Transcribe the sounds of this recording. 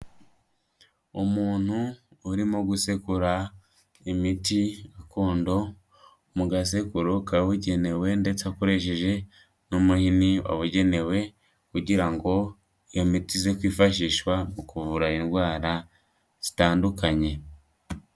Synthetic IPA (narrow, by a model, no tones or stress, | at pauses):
umuːn̥huːɾimoɡuse̞kuɾa | imitiakoːndo̞ | muɡas̬e̞kuɾokaβuɟe̞ne̞we̞nde̞t͡sakoɾe̞ʃ̬e̞ʒe̞ | numuhiniwa̰βuɟe̞ne̞we̞ | kuɟiɾaŋɡo̞ | ijomitizekwiːfaʃiːʃwamukuvuɾainɡwaːɾa | z̥i̥taːndukaɲe̞